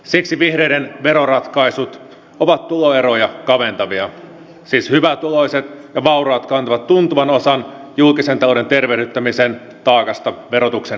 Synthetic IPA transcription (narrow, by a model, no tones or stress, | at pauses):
siksiʋihɾeidenʋeɾorɑt̪kɑisut̪ | oʋɑt̪tuloeɾojɑkɑʋe̞nt̪ɑʋiɑ | siːshyʋæt̪ulo̞iset̪jɑʋɑuroɑːt̪kɑnt̪ɑʋɑt̪tunt̪uʋɑno̞sɑn | julkisent̪ɑlo̞de̞nt̪erʋehɥdyt̪ːæmisen | t̪ɑːkɑst̪ɑʋeɾot̪ukse